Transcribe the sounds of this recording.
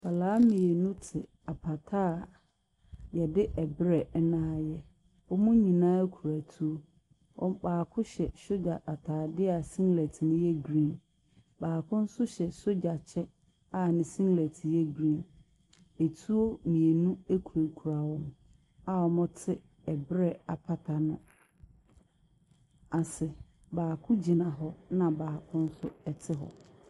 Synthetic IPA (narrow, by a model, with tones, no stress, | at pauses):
ba˨laː˦mĩ˨e˨nũ˦tʰɪ˨ | a˨pʰa˨tʰaː˦˨ | jɛ˨dɪ˦ʔɛ˨bɪ˦ɾɛ˨ɛ˦nãː˦jɛ˦ | ɔ˦mʊ̃˦ɲĩ˨nãː˦kʰu˨ɾa˨tʰu˦o˦ | ɔ̰˦baː˨kʰʊ̃˦ɕɛ˨ɕo˦d͡ʑa˨ʔa˨tʰaː˨dɪ˦a˨sĩ˦ŋlɛ˨tʰɪ˨nʊ̃˦jɛ˦ɡɾĩ˦˨n | baː˨kʰʊ̃˦n̩˦sʊ˦ɕɛ˨so˦d͡ʑa˨t͡ɕʰɛ˦ | a˦˨nɪ̃˨sĩ˦ŋlæ˨tʰjɛ˦ɡɾĩ˦˨n | e˨tʰu˦o˦mĩ˨e˨nũ˦e˦kʰu˨ɾe˨kʰu˨ɾa˨wʊ̃˦m | a˦˨ɔ˨mʊ̃˦tʰɪ˦ | ɛ˨bɾɛ˦a˨pʰa˨tʰa˨nʊ̃˦ | a˨sɛ˨ | baː˨kʰʊ̃˦d͡ʑi˨nã˨ɦɔ˦nã˨baː˨kʰʊ̃˦n̩˦sʊ˦ɛ˨tʰɪ˦ɦɔ̰˨